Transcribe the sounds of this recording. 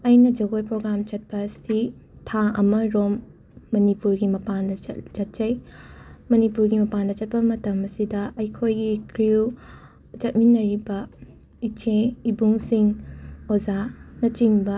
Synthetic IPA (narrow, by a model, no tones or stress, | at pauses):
ɐjnɐd͡ʒɐɡojpɾoɡɾamt͡ʃɐt̚pɐsi | tʰaʔɐmɐɾomː | ɐnipuɾɡimɐpandɐt͡ʃɐt̚t͡ʃɐj | mɐnipuɾɡimɐpandɐt͡ʃɐt̚pɐmɐtɐmɐsidɐʔɐjkʰojɡikʰɾiw | t͡ʃɐt̚minːɐɾibɐ | it͡ʃʰeibuŋsiŋod͡ʒanɐt͡ʃiŋbɐ